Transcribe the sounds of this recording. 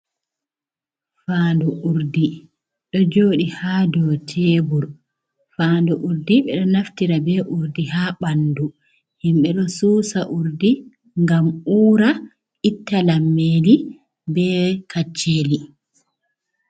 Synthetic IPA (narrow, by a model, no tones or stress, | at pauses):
faːnduʔuɾdi | ɗɔd͡ʒoːɗihaːdɔːtʰeːbuɾ | faːnduʔuɾdiɓɛɗɔnaftiɾabɛʔuɾdihaːɓandu | himɓɛɗɔsuːsaʔuɾdi | ŋɡamuːɾa | itːalamːeːli | bɛːkʰat͡ʃːeːli